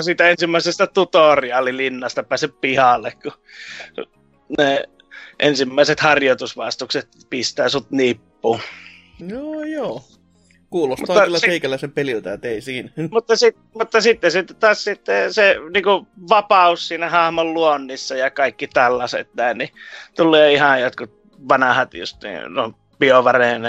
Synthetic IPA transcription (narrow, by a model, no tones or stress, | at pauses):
siːt̪æensimːæˑisest̪æt̪ut̪oriɑlilinːɑst̪ɑpæːseppihɑlːekkṵ | ne | ʔensimːæˑiset̪hɑrjot̪usʋɑˑst̪ukset̪̚ | pist̪æːsut̪nipːuː | joːjoː | kuːlosmut̪ɑːɑlːæseikælːæsempelilt̪æt̪eisiːnæmut̪ːɑsit̪ | mut̪ːɑsit̪ːesit̪ːt̪ɑːssit̪ːeseniːŋkuʋɑpɑussiːnæhɑhmolluonːisːɑjɑkɑikːit̪ælːɑsḛt̪næˑinnit̪ulːˑeːihɑjot̪kut̪̚ | ʋɑnɑhɑt̪jṵst̪nḭːnom | pioʋɑreːˑn